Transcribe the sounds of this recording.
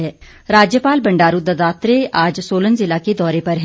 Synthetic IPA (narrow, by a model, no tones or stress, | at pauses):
ɛː | ɾaːd͡ʒjəpaːlbəɳɖaːɾuːd̪əd̪aːt̪ɾeaːd͡ʒsoːlənzɪlaːked̪ɔːɾepɐɾɦ